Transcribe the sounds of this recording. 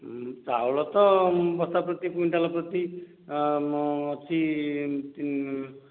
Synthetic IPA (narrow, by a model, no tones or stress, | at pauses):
t͡sa̰wlɔt̪ɔbɔst̪apɾɔt̪ipuɳʈalapɾɔt̪i | t͡ʃʰit̪